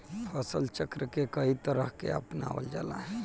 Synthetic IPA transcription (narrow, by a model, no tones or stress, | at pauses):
pʰəsəlt͡ʃəkɾəkekəɦit̪əɾəɦkḛə̰pna̰ʋə̰ld͡ʒala̰ɦɛ